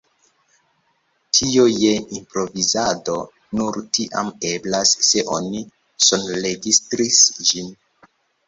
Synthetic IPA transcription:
tʰioje̞impɾo̞vizado̞ | nuɾtiʔa̰me̞blasːe̞ʔoni | sonɾe̞ɡistɾisd͡ʒin

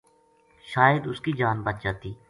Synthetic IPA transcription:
ʃaːjəd̪ʊskid͡ʒaːnbət̪̚d͡ʒaːt̪iː

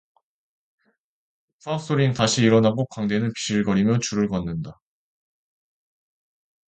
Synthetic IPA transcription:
pʰas͈oɾintaɕʰiːɾʌnaɡokwaŋde̞nɯnpi̥ɕɯɭɡʌɾimjʌt͡ɕuɾɯɭɡʌnːɯnda

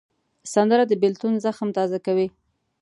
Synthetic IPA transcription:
sand̪əɾad̪əbɪlt̪unzaxmt̪ɑzakawi

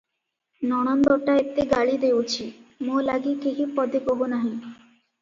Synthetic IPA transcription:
nɔɽ̃and̪ɔʈaet̪ːeɡaɭid̪eot͡ɕʰimolaɡikeɦipɔd̪ekoɦonaɦĩ

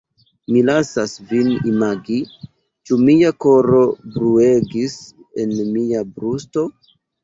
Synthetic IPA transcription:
milasasvinimaɡi | t͡ʃumiako̞ɾo̞bɾue̞ɡis | e̞nmiabɾusto̞

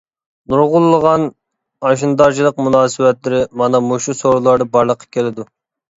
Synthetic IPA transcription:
nuɾʁʊlˠːəʁɑn | ɑʃ̬ind̪ɑɾd͡ʒilˠəq̚munɑːsɨwɛt̪lɪɾɪmɑnɑmoʃusoɾulˠɑɾd̪ɑbɑɾlˠəqʰːɑ̥kʲelɪd̪u

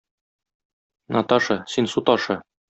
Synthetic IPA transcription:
nʔɑt̪ɑʃɤsinsut̪ɒʃɤ

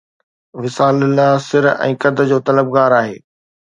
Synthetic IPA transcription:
ʋɪsaːlɪlasɪɾɛ̰̃ːkɐd̪ʱə̆d͡ʑoːt̪ɐləb̚ɡaːɾaːɦḛː

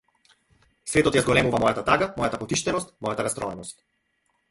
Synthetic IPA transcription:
svɛt̪ɔt̪jazɡɔlɛmuvamɔjat̪at̪aɡamɔjat̪apɔt̪iʃt̪ɛnɔst̪mɔjat̪aɾast̪ɾɔɛnɔst̪̚

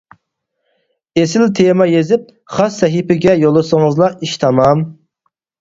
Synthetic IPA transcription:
esɪlt̪ʰemɑjezɪp̚ | χɑsːɛɦipɪɡʲɛjolˠːɨsɨŋɨzlˠɑiʃt̪ʰɑmɑm

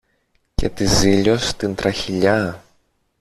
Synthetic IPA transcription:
ce̞̰t̪iziʎost̪int̪ɾɐçiʎɐ

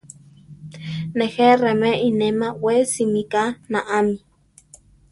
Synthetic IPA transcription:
neheremeʔinemawesimikanaʔami

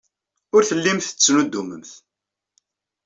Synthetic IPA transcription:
ʊɾθəlːimθt͡sːnud̪ːuməmθ

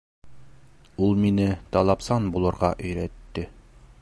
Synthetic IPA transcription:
ulˠminɘt̪ɑlˠɑpsɑnbulˠɤ̆ɾʁɑʔɵ̆jɾæt̪ːɘ

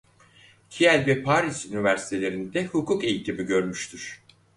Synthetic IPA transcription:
cʰiælʲvɛpʰaːɾisynivæɾsi̥t̪ʰe̞lʲe̞ɾind̪ɛhukʰuke̞jit̪ʰimiɟø̞ɾmyʃt̪ʰyɾ̥

